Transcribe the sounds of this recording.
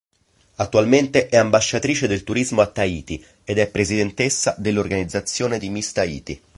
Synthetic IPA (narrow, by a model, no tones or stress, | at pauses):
at̪ːualment̪eʔɛambaʃːat̪ɾiːt͡ʃed̪elt̪uɾizmoat̪ːaiːt̪i | ed̪ɛpːɾezid̪ent̪esːad̪elːorɡanid̪zːat̪sːjoːned̪imist̪aḭːt̪i